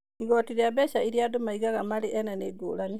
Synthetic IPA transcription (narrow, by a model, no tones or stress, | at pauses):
iɡɔtiɾiabɛɕaiɾiadomaiɣaɣamaleʔɛnaneːɡo̰ːlani